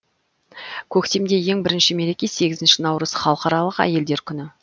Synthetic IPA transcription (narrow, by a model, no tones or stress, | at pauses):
kʲʰɵkt̪e̞md̪e̞je̞ŋbɪɾɪnʃɪme̞ɾe̞kʲe̞se̞ɡʲɪzɪnʃɪnɑwɾəzχɑlˠəqɑɾɑlˠəqæ̰je̞ld̪e̞ɾkʲʰʏnɪ